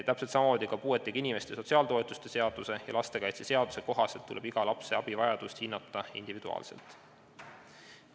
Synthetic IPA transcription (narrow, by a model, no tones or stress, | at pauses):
t̪æpset̪sɑmɑmoːd̪ʲikɑpuːe̞t̪ːˑiɡ̥inime̞st̪e̞so̞t̪siɑːlt̪o̞e̞t̪ːˑu̥st̪e̞se̞ɑd̪̥use̞jɑ̰lɑst̪e̞kɑjt̪se̞se̞ɑd̪̥u̥se̞ko̞ɦɑselt̪ːule̞b̥iɡ̥ɑlɑpse̞ɑb̥ivɑjɑd̪̥ust̪hinːɑt̪ːˑɑḭnd̪̥ivid̪̥uɑ̰ːlse̞̰lt̪ˑ